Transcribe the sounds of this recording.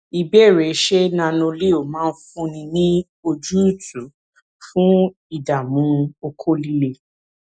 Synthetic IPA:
i˨bɛ˦˨ɾɛ˨˦ʃe˦nã˧nũ˧le˦˨o˨mãː˦n̩˦fũ˦nĩ˧nĩ˦ | o˧d͡ʒu˦u˦˨tu˨˦ | fũ˦ | i˦˨da˨mũ˨˦o˧kʰo˦li˦le˦

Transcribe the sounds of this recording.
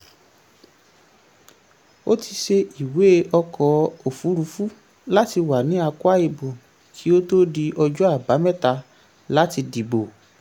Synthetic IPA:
o˦ti˧ʃe˧i˨we˨˦˧ʔɔ˧kʰɔ˨˦o˨fu˨˦ɾu˧fu˦ | la˦ti˧wa˨nĩ˨˦a˧kwa˦i˧bo˨ | kʰi˨˦o˦to˦di˧ʔɔ˧d͡ʒɔ˦a˦˨ba˨˦mɛ˦ta˧ | la˦ti˧di˨bo˨

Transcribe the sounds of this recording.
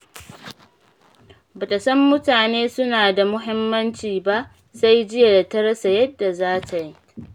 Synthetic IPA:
bɐ˨tɐ˨sɐ˦mːʊ˦taː˨neː˦sʊ˦naː˨da˨mʊ˦ɦɪ˦mːɐ˦nt͡ʃiː˨ba˦ʔ | sa˦jd͡ʒɪ˦ja˨da˨tɐ˦ɽɐ˦sa˨jɐ˦dːa˨zaː˦tʰa˨ji˦

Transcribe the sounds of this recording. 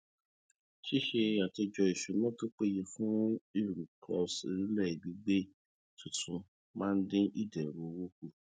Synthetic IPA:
ʃi˦ʃe˧a˨te˧d͡ʒɔ˧i˨ʃu˨nɔ̃˦˨to˦k͡pe˦je˧fũ˦i˦˨ɾu˨kʰɔ̰˨˧sḛ˨ɾi˦lɛ˦˨i˨bi˧˦ɡ͡be˦ | tũ˨tʰũ˨˧ | mãː˦n̩˦dẽ˦ʔi˦˨dɛ˨ɾo˨˦wo˦ku˧˨

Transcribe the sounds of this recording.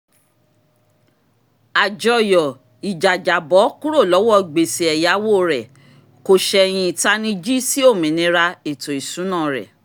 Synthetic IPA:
a˨d͡ʒɔ˨jɔ˨ | i˨d͡ʒa˨d͡ʒa˨bɔ˨˦kũ˦ɾo˦˨lɔ˨˦wɔ˦˨ɡ͡be˨se˨ɛ˨ja˨˦wo˦ɾɛ˨ | ko˧ʃɛ˧j̃ĩ˧i˨ta˦nĩ˧˦d͡ʒi˦si˦o˦˨mĩ˨nĩ˨˧˦ɾa˧e˨to˨i˨sũ˨˦nã˦˨ɾɛ̰˨

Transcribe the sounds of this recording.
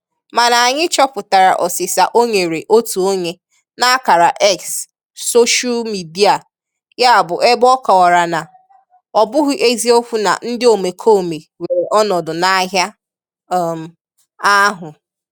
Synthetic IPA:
ma˨na˨a˨ɲɪ˦t͡ʃɔ˦pʊ˨ta˨ɾa̰˨ʔɔ˨sɪ˨sa˨ʔo˦ɲe˨ɾe˨ʔo˦tu˨o˦ɲe˦ | na˦ka˨ɾa˨ʔɛ˦ksː | o˦ʃa˦lmi˨di˦a˨ | ja˦a˦˨bʊ˨ʔe˦bɔ˦ka˨wa˨ɾa˨na˨ | ɔ˨bʊ˦ɦʊ˦ʔe˦zi˦o˦kʷu˦na̰˨n̩˦dɪ˦o˨me˨kʰo˦˨me˨ | we˨ɾe˨ʔɔ˦nɔ˨dʊ˨na˦ɦja˦ | m˨ | a˦ɦʊ˨

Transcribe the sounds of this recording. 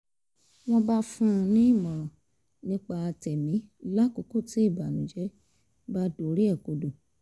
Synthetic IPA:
w̃ɔ̃˦ba˦fũ˦˧nĩ˦i˦˨mɔ̃˨ | nĩ˦k͡pa˧a˧tɛ˨mĩ˨˦la˦ko˨˦ko˦˨ti˨˦i˦˨ba˨nũ˨˦d͡ʒɛ˨˦ | ba˦do˨˦ɾi˦ɛ˦˨ko˨˧do˨

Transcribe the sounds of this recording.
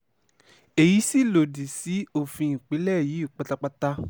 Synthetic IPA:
e˨ji˨˦si˦˨lo˨di˨si˨˦o˦˨fĩ˧ĩ˨k͡pe˨˦lɛ˦˨ji˨˦i˦˨k͡pa˧ta˧k͡pa˦ta˦

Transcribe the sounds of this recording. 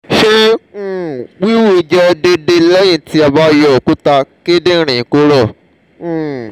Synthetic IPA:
ʃẽ˦˨ | wi˦wu˦˨˧d͡ʒɛ˧de˧de˧lɛ˦j̃ĩ˦˨ti˧˦a˧ba˧˦˧jɔ˨ku˦ta˧ke˦dẽ˦˧ɾ̃ĩ˨ko˨˦ɾɔ̃˦˨

